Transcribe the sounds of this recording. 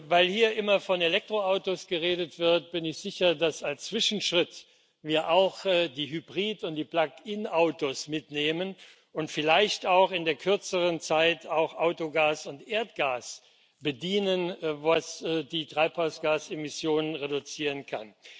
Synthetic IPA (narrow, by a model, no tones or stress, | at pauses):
vaɪlhiːɐʔɪmɐfɔnelɛk̚tʁ̥oaʊtosɡ̥əʁeːdətv̥ɪɐt̚b̥ɪnɪçz̥ɪçɐdasalst͡sv̥ɪʃn̩ʃʁ̥ɪt | viːɐʔaʊxdiːɦybʁiːtʊnt̚d̥iːplakɪnʔaʊtosmɪtneːmən | ʊntfɪlaɪçtaʊxɪndeːɐkʰʏɐt͡səʁənt͡saɪtʰaʊxʔaʊtoɡaːsʊntʔeːɐtɡ̥aːs | b̥ədiːnənvasdiːtʁ̥aɪphaʊsɡ̥aːsemɪsjoːnənʁedʊt͡siːʁənkʰa̰n